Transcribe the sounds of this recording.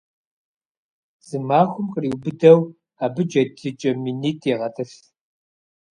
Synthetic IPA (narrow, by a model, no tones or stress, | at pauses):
z̥ɨmaːxʷʊmqəriːwbɨdɐw | aːbɨd͡ʒɐdɨt͡ʃʼɐminiːtʼʰeʁɐtʼɨɬ